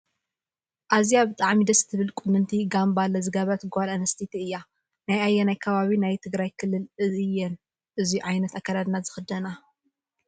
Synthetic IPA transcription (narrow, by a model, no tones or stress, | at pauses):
ʔazjabɨt̪ʼaʕmid̪ɐst̪ʰɨβɨlkʼʊnːɨnt̪ʰiɡambalːɐzɨɡɐβɐt̪ɡalɐnɐst̪ʰit̪ʰiɨjːa | najajːɛnajkʰɐβaβinajt̪ʰɨɡɾajkʰɨlːɨlɨzɨjːɛn | ʔɨziuʕajnɐt̪akːad̪ad̪nazɨxɨd̪ɐna